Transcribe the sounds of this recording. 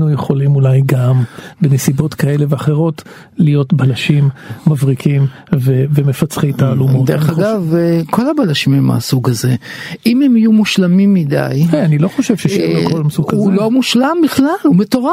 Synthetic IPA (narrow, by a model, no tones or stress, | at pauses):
nujeχo̞limulajɡambenesibo̞tkae̞leveaχe̞ʁo̞t | lijo̞tbalaʃimːavʁikʰim | vevemefat͡sχejtaːlumodeʁeχaɡavko̞lhabalaʃimhema̰suɡaze̞imemijumuʃlamimːida̰jeanilo̞χo̞ʃevʃeʃilekolamsuɡulo̞muʃlambiχlalumeto̞ʁa